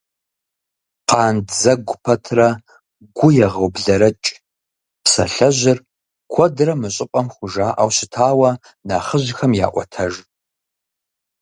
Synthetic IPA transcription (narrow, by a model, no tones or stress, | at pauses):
qɑːndzɐɡʷʊpʰɐtʰrɐ | ɡʷʊjɛʁɐwbɮɐɾɐt͡ʃʼ | psɐ̰ɬɐʒɪr | kʷʰɔdrɐmɨɕʼɪpʷʼɐmχʷʊʒaːʔa̰wɕɪtʰaːwɐ | naːχəʑɪxɐmja̰ːʔʷɔ̰tʰɐʒ